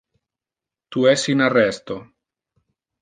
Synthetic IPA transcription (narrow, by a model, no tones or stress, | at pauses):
t̪uɛsinarɛst̪o